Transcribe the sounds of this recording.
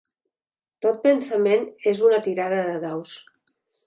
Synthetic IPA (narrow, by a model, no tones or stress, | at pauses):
t̪ot̪̚pənsəmenezunət̪iɾað̞əðəðaws